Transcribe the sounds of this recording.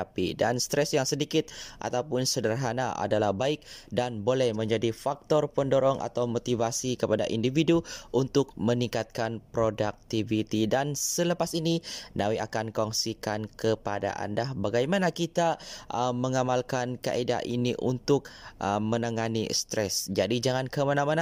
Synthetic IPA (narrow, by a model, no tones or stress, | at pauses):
pḭdanst̪ɾɛsjaŋsədikɪt̪̚ʔa̰t̪awpʊnsədərɦanaʔa̰dalahbaɪk̚danbolɛhmə̃ɲd͡ʒadifak̚t̪ɔrpəndoɾɔŋʔa̰t̪awmot̪ivasikəpada̰ʔindividuʔunt̪ʊk̚məniŋkat̪̚kanpɾodak̚t̪ivit̪idansələpasininawiakankɔŋsikankəpada̰ʔa̰ndahbaɡajmanakit̪aʔəməŋamalkanka̰ʔeda̰ʔiniʔṵnt̪ʊk̚əmənaŋanḭst̪ɾɛsd͡ʒadid͡ʒaŋankəmanamana